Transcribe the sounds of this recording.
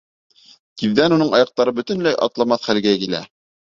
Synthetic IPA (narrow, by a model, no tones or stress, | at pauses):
t̪iððænunɤɴɑjɑq̚t̪ɑɾɤbɵ̆t̪ɘ̆nlæjʔɑ̰t̪lˠɑmɑθχælɡækilæ̰